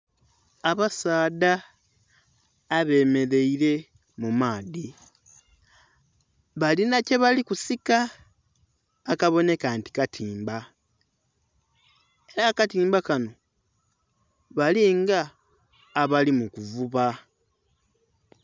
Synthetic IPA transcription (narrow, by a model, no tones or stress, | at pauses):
aβasaːda | βe̞ːme̞ɾe̞iɾe̞ | mumaːði | βalinaceβalikusika | kaβo̞ne̞kanti̥katʰiːmba | e̞ɾakatiːmbakano̞ | βaliŋɡaː | βalimukuvuβa